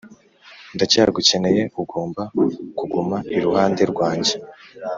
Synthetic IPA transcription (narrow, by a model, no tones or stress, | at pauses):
ndacaɡuce̞ne̞je̞ʔuɡo̞ːmbakuɡumaiɾuhaːnde̞ɾɡwaːɲɟe̞